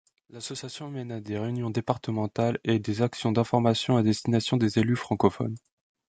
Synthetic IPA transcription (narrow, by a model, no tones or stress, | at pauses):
lasɔsjasjɔ̃mɛnad̪eʁeynjɔ̃d̪epaʁt̪əmɑ̃t̪aled̪ezaksjɔ̃d̪ɛ̃fɔʁmasjɔ̃ad̪ɛst̪inasjɔ̃d̪ezelyfχɑ̃kɔfɔ̰n